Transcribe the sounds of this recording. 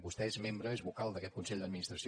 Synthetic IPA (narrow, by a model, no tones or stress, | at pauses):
bust̪ɛezmembɾəezβukalˠd̪əkɛt̪̚kunsɛʎd̪əd̪̚minist̪ɾəsi